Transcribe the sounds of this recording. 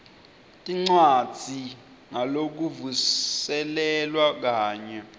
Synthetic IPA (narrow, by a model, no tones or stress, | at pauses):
tʼiŋ͡ǀwad̥d͡z̥ʱi | ŋalok̬uvusɛlɛlwak̬aːɲɛ